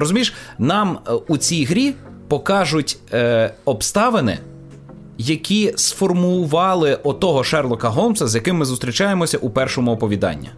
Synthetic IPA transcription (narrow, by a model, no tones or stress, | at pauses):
ɾɔzʊmʲiʃnɑmut͡sʲijɦɾʲi | pɔkɑʒʊtʲ | ɔbst̪ɑʋenɪ̰ | jɐkʲisfɔrmʊʊʋɑlˠɪʔɔt̪ɔɦɔʃɛrlˠɔkɐɦɔmsɐzjɐkɪmːɪzʊst̪ʲɾʲit͡ʃɑjemɔsʲɐʔupɛrʃɔmʊɔpɔʋʲid̪ɑ̰nʲːḭ